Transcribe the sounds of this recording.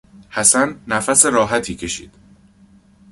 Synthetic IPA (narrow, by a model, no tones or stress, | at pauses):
hæsænːæfæse̞ɾɒːɦæt̪ʰiːcʰe̞ʃḭːd̪̥